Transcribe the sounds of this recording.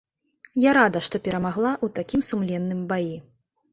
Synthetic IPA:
jaɾad̪ɐʂt̪ɔpʲɛɾɐmaɣlˠaʔut̪akʲimsumlʲɛnːɨmbaji

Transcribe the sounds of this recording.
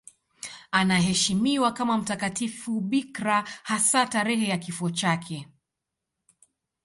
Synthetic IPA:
anaɦɛʃimiwakamam̩takatifuɓikɾahasataɾɛhɛjakifuɔt͡ʃakʰɛ

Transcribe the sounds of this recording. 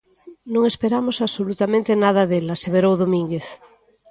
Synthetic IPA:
nõŋespeɾamosaβsolut̪amẽnt̪enað̞ɐðelaseβeɾowðomĩŋɡeθ

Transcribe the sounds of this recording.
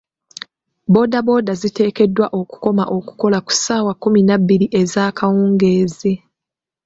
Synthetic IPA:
bo̞ːdabo̞ːdazite̞ːke̞dːwaʔo̞ku̥ko̞maʔo̞ku̥ko̞laku̥saːwakuminabːiɾiʔe̞zaːkʰawuːŋɡe̞ːzi

